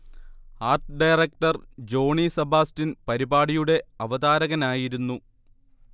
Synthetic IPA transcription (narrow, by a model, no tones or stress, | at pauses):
aːrʈɨɖɐjrɐk̚ʈɐrd͡ʑo̞ːɳisɐbʱaːstinpɐɾibaːɽijuɽe̞ɐʋɐd̪aːɾɐɣɐnaːjiɾunːu